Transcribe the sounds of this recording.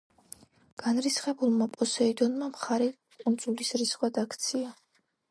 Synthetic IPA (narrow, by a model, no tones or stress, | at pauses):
ɡ̥anɾisχɛbulˠmapʼɔsɛid̪ɔnmamχaɾɛ | kʼund̪z̥ulisɾisχwad̪akʰt̪sʰia